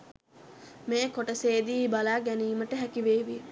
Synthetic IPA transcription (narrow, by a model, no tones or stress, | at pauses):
meːkoʈəseːd̪iːbalaːɡæniːməʈəɦækiʋeːʋi